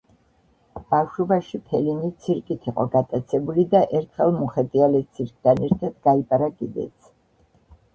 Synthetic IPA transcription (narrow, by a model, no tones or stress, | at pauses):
b̥afʃubaʃipʰɛlinit̪sʰiɾkʼit̪ʰiqʼɔɡat̪ʼat̪sʰɛbulid̪aʔɛɾt̪ʰχɛlˠmuχɛt̪ʼialɛt̪sʰiɾkʼt̪ʰanɛɾt̪ʰad̪̥ɡaipʼaɾakʼid̪ɛ̰t̪sʰ